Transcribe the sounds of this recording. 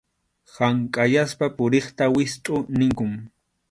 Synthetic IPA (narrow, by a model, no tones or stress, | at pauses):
haŋkʼajaspapʊɾeχt̪awɪst̪ʼʊnɪŋkʊŋ